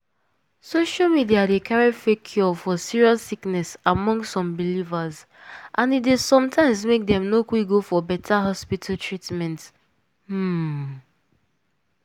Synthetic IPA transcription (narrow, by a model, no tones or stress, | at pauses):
soʃalmidiadekʰaɹifekʰjɔfɔsiɹiasiknɛsamɔ̃ŋsɔ̃mbilivaz | ʔãnitdesɔ̃mtʰãɪ̃mzmek̚dɛ̃mnokwik̚ɡofɔbɛtʰaɦɔspitʰaltʰɹitmɛ̃nt̩